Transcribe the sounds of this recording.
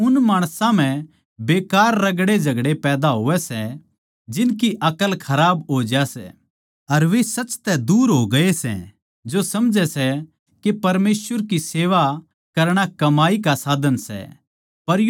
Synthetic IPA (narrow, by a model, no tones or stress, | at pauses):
ʊnmaːɽ̃sãm̤ɛ̃ | beːkaːɾːɐɡɽed͡ʒʱɐɡɽepɛːd̪aɦoːʋɛsɛ | d͡ʒɪnkiʔɐkəlkʰɐɾaːbɦoːd͡ʒasɛ̰ | ɐɾʋesɐt͡ʃːt̪ɛd̪uːɾɦoɡɐesɛ̰̃ | d͡ʒosɐmd͡ʒɛsɛ | kepɐɾmeːsʋəɾkiseːʋa | kɐɾɽ̃akɐmaːikasaːd̪ənsɛ̰ | pɐɾj